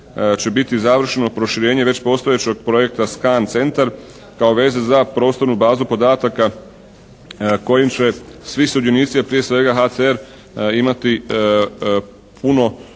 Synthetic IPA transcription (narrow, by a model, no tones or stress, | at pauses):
t͡ɕe̞bit̪izaʋr̩ʃeno̞pɾoʃiɾeːɲe̞ʋe̞t͡ɕpo̞st̪o̞je̞t͡ɕe̞ɡ̚pɾo̞je̞k̚t̪askaːnt̪se̞nt̪aɾ | kao̞ʋe̞ːzezapɾo̞ːst̪o̞ɾnubaːzupo̞d̪aːt̪aka | ko̞jimt͡ɕe̞sʋiseud̪juniːt̪sijapɾije̞sʋe̞ɡaɦat̪seeɾ | imat̪i | pʰuno̞